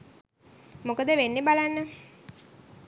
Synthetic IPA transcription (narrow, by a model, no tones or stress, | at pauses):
mokəd̪əʋenːebalanːə